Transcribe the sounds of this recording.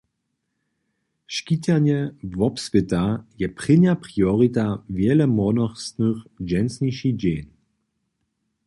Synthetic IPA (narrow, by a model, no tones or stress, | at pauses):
ʃkitʲanjɛvɔpspɪtajɛpʁ̥ɪnjapʁiɔʁitavjɛlɛmɔnɔχsnəxd͡ʒɛnsniʃid͡ʑeːn